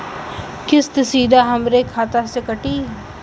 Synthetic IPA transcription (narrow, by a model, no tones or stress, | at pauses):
kɪst̪siːd̪ʱaɦɐmɾekʰaːt̪asekəʈiː